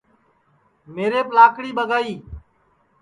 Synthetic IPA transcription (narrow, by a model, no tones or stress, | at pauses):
meːɾeːplaːkɽiːɓəɡaːiː